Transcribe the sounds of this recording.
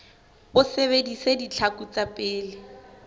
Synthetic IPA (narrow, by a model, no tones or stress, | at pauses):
bʊseβedisedit͡ɬʰakut͡sapʼɪːlɪ